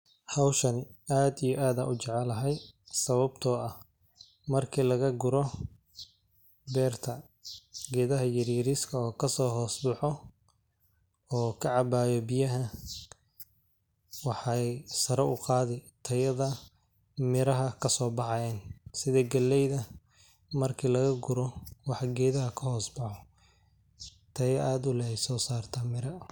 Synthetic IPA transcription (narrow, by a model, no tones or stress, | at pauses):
hɑwʃɐnɪaːd̪ijɔʔaːd̪aːʔʊt͡ʃɛʕɛlɐɦɛjsɐβɐbt̪ʰɔːɐh | mɐrkʰilɐɣɐɡʊɾɔ | bɛːrt̪ʰɐ | ɡɛːðɐɦɐjɐɾiːɾiskʰɐɔːkʰɐsɔːɦɔːsbʊħɔ | ɔːkʰɐʕɑbaːjɔbɪjɐɦɐ | wɑħɑjsɐɾɐʊqɑːðɛt̪ʰɐjɐðɐ | mɪɾɐɦɐkʰɐsɔːbɑħɑjɛːnsɪðɛɡɐlːɛjðɐ | mɐrkʰiːlɐɣɐɡʊɾɔwɑħɑɡɛːðɐɦɐkʰɐhɔːsbɑħɔ | t̪ʰɐjɐʔaːd̪ʊlɐhɛjsɔːsaːrt̪ʰɐmɪɾɐ